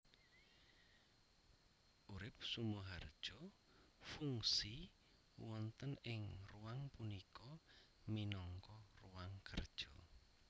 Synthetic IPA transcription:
ʔuɾɪp̚sumuɦard̥ʒ̥ɔ | fuŋsi | wɔnt̪ənɪŋruwaŋpunikɔ | minɔŋkɔruwaŋkərd̥ʒ̥ɔ

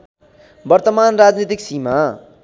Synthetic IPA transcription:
bʌrt̪ʌmanrad͡znit̪iksima

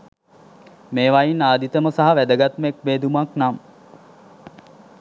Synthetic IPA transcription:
meːʋajinaːd̪it̪əməsaɦaʋæd̪əɡat̪mek̚beːd̪umaknam

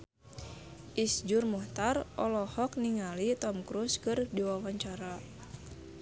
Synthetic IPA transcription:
ʔisd͡ʒurmuht̪arʔɔlɔhɔk̚niŋalit̪ɔmkɾuskɨrdiwawaɲt͡ʃaɾa

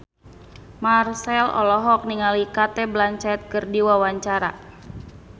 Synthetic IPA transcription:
marsɛlɔ̰lɔɦɔk̚niŋalikat̪ɛblaɲt͡ʃɛt̪̚kɨrdiwawaɲt͡ʃaɾa̰

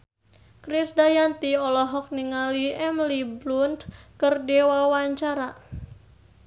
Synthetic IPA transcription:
kɾisdajant̪iɔlɔɦɔk̚niŋaliɛmliblund̪kərdɛwawaɲt͡ʃaɾa

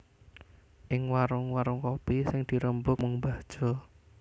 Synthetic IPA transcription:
ʔɪŋwaɾʊŋwaɾʊŋkopisɪŋd̪̥i̤ɾəmbʊk̚muŋbad̥ʒ̥ɔ̤

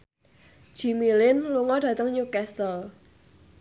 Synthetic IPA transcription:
d͡ʒ̥i̤milɪnluŋɔɖ̥ä̤t̪əŋɲukɛst̪əl

